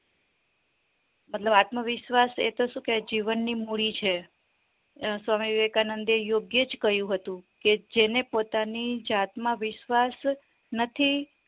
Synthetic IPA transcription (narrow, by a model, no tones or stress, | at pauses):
mət̪ləbat̪məʋɪʃʋasḛt̪oʃũked͡ʒiʋənːimuɭit͡ʃʰe | sʋamiʋekanənd̪ejoɡjed͡ʒkəɦjũɦət̪ũked͡ʒenepot̪anid͡ʒat̪məʋɪʃʋas | nət̪ʰi